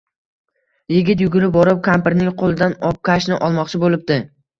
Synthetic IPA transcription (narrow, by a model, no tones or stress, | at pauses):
jɪɡʲɪt̪̬jʊɡʲʊɾɪp̚bɒɾɪp̚kʰampɪɾnɪŋqʰolˠɪd̪anɒp̚kʲʰaʃnɪʔɒlˠmɒqt͡ʃʰɪbolˠɪp̚d̪ɪ